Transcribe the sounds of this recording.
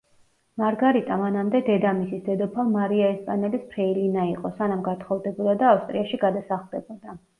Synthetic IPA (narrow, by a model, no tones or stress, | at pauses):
maɾɡaɾit̪ʼamanamd̪ɛd̪ɛd̪amisisd̪ɛd̪ɔpʰalˠmaɾiaɛspʼanɛlispʰɾɛilinaiqʼɔsanamɡat̪ʰχɔvˠd̪ɛbud̪ad̪aːfst̪ʼɾiaʃiɡad̪asaχlˠd̪ɛbɔd̪a